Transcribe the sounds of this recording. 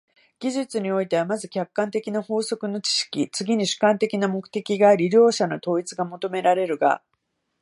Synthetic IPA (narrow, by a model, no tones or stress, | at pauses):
ɡ̥ʲiʑɨt͡sɨɲ̟io̞it̪e̞βamazɨkʲakːãnt̪e̞kʲinaho̞ːso̞kɯ̟no̞t͡ɕi̥ɕi̥kʲit͡sɨɡʲiɲ̟iɕɨ̥kãnt̪e̞kʲinamo̞kɯ̟̥t̪e̞kʲiɡaːɾʲiɾʲo̞ːɕano̞t̪o̞ːit͡sɨɡamo̞t̪o̞me̞ɾaɾe̞ɾɯ̟ɡa̰